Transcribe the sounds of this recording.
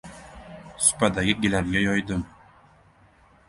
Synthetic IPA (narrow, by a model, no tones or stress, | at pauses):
sʊ̥pʰad̪aɡʲɪɡʲɪlaɾɡʲajɒjd̪ɪm